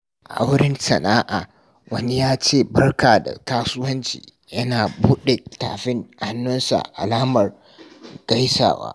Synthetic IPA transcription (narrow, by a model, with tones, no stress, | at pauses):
ʔa̰˦wɾɪ˦nsɐ˨naː˦ʔaː˨ | wɐ˦ni˦jaː˦t͡ʃeː˦˨bɐ˦rkaː˨da̰˨taː˦sʊ˦wɐ˦nt͡ʃḭː˨ | jɐ˦naː˨buː˦ɗe˨ta̰ː˨ɸɪ˦ŋha˦nːʊ˦nsa̰˨ʔa̰˨laː˦mɐ˨r | ɡ̥ɐ˦jsa̰ː˨wa̰ː˦